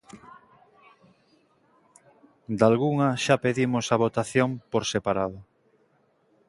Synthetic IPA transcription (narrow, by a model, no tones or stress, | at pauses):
d̪alɣuŋɐʃapeðimosaβ̞ot̪aθjompoɾsepaɾaðʊ